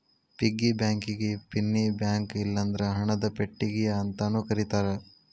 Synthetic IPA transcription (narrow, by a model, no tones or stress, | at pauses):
piɡːibjaːŋkiɡepinːibjaːŋkilːɐnd̪ɐɾeɦɐɳɐd̪ɐpeʈːiɡijɐːnt̪ɐnuːkɐɾit̪aːɾe